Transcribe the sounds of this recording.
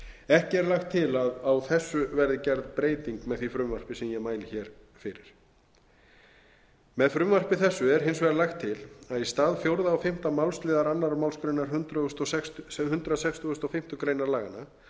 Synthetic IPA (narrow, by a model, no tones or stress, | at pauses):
ɛhcɪɛɾlaxt̪ʰːɪlaðawθɛsːʏvɛɾðɪcɛɾðpɾeːjt̪iŋkmɛðθvifɾʏmvar̥pɪsɛmjɛɣmaːjlɪçɛːɾ̥ | fɪɾɪɾ̥ | mɛðfɾʏmvar̥pɪθɛsːʏɛɾ̥ɦɪns̬vɛːɾalaxt̪ʰːɪlaðist̪aːðfjowɾðaːwfɪm̥t̪amawlst̪lɪːðaɾanːaɾmawlskɾejnaɾhʏnt̪ɾœʏst̪ɔsɛkst̪hʏnt̪ɾasɛkst̪ʏʏst̪ɔfɪm̥t̪ʏkɾejnaɾlaːɣanːa